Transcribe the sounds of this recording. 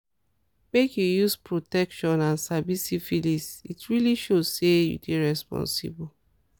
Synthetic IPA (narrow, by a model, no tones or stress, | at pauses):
mekjujuspɹotɛkʃɔ̃nãnsabisifilisitɹiliʃozsejṵdeɹɛspɔ̰̃nsḭbul